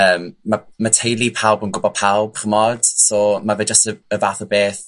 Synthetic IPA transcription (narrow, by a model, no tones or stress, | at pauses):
əːmːamatʰejlˠipʰawˠbənɡʊbɔpʰawˠb̥χəmɔd̥sɔːmavɛːd͡ʒəstəəvaθɔbeːθ